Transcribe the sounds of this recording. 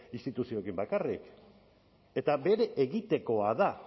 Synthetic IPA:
ist̪it̪usio̞ekimbakarḭk | e̞t̪abe̞ɾe̞ʔeɣit̪e̞ko̞aða

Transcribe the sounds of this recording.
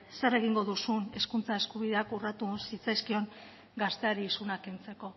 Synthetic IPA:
sere̞ɣ̞iŋɡo̞ðusune̞skunt͡sae̞skuβiðe̞akurat̪usit͡sajskio̞ŋ | ɡast̪e̞aɾiːsunakent͡se̞ko̞

